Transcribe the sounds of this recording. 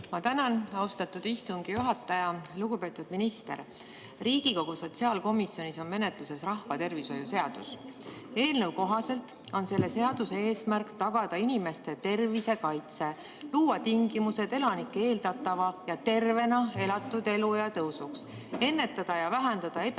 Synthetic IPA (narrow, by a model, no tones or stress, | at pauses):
mɑt̪ænɑnɑwst̪ɑt̪ːud̪̥ist̪uŋɡ̥ijuɦɑt̪ːˑɑjɑluɡ̥upe̞ːt̪ːˑud̪̥minist̪e̞̰r | riːɡ̥iko̞ɡ̥uso̞t̪siɑːlko̞misjo̞niso̞nme̞ne̞t̪luse̞srɑhfɑt̪e̞rviso̞juse̞ɑd̪̥us | e̞ːlne̞wko̞ɦɑse̞lt̪ˑ | o̞nse̞lːe̞se̞ɑd̪̥use̞eːsmærkt̪ɑɡ̥ɑd̪̥ɑinime̞st̪e̞t̪e̞rvise̞kɑjt̪se̞ | luːwɑt̪iŋɡ̥imuse̞d̪̥e̞lɑnikːˑe̞ːld̪ɑt̪ːˑɑvɑjɑt̪e̞rve̞nɑe̞lɑt̪ːˑud̪̥e̞lujɑt̪ɤwsuks | e̞nːe̞t̪ːˑɑd̪̥ɑjɑvæɦend̪ɑd̪̥ɑe